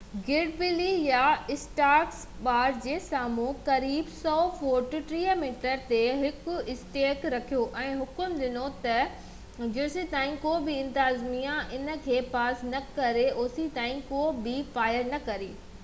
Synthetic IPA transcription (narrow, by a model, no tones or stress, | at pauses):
ɡɪɖ̚bɪlijaɪsʈaːɾks | ɓaːɾd͡ʑeːsaːmũːkɐɾiːbsɔːfoːɾʈuʈɾiːəmiːʈəɾt̪eɦɪkʊɪsʈeːkɾɐkʰijoʔɛ̃ːɦʊkʊmɗ̪ɪnot̪ɐ | d͡ʑʊsit̪aːĩkoːbɪɪ̃nt̪aːzmijãʔɪnə̆kʰeːpaːsnɐkɐɾeʔʊːsit̪ãːĩkoːbɪfaːjəɾnɐkɐɾeː